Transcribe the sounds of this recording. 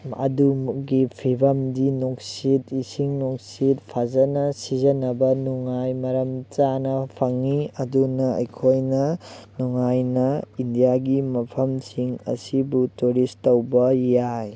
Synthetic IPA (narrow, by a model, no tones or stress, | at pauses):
ɐ̰duɡipʰibɐmdinoksitisiŋnok̚sitpʰazɐnɐsizɐnɐbɐnuŋajmɐɾɐmt͡ʃanɐpʰɐŋiɐdunɐɐ̰jkʰojnɐnuŋajnɐindijaɡimɐpʰɐmsiŋɐ̰sibutuɾistɐwbɐjaj